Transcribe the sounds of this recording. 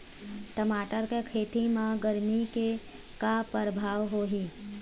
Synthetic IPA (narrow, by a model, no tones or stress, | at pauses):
ʈəmaːʈəɾkekʰeːt̪imãɡəɾmike | kapəɾbʱaːʋɦoːɦi